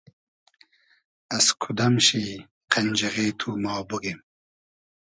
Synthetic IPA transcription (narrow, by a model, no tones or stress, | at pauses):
ɐskʰud̪ɐmɕi | qʰɐnʲd͡ʑɐʁeːt̪ʰuːmɑːbuɡem